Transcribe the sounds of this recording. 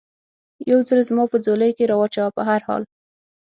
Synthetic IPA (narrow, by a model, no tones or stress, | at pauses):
jawzəlzmɑpəd͡zoləjkeɾɑwat͡ʃawapəɦaɾhɑ̰l